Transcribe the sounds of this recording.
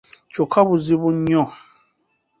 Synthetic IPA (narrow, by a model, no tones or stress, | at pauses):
t͡ʃokʰabuzibuɲɔ̃